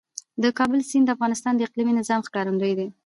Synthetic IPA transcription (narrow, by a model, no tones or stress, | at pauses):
d̪əkɑbəlsind̪əafɣɑnɪst̪ɑnd̪əɪqliminɪzɑmxkɑɾand̪əjd̪e